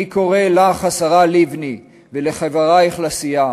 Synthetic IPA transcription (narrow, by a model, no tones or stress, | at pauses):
ikoʁelaχasaʁalivni | veleχavaʁaiχlasija